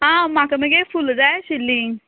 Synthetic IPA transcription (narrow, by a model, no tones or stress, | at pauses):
ɦãmakəməɡefuld͡zajɕilːiŋ